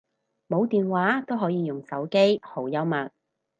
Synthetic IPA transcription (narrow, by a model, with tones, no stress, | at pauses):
mo˨˧wt̪iː˨nwaː˨˥t̪o˥wɦɔː˨˥jiː˨˧jʊ˨˩ŋsɐ˨˥wke˥jho˨˥wjɐ˥wmɐ˨t̚